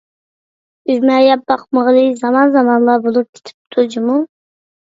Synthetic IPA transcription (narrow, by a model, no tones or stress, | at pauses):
yzmɛjɛp̚bɑqməʁlˠɨzɑmɑnzɑmɑnlˠɑbolˠup̚kʲʰe̥t̪ʰɪ̥p̚t̪ʰud͡ʒimu